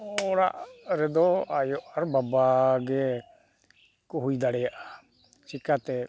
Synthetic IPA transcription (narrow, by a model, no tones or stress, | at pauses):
ɔɽa̰ʔɾɛd̪ɔajɔʔaɾbabaɡɛ | kɔɦujd̪aɽɛjaʔa | t͡ʃikat̪ɛ